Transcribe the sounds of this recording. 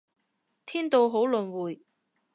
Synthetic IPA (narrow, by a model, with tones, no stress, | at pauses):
t̪ʰiː˥nt̪o˧wɦo˨˥wlɵ˨nwuː˨˩j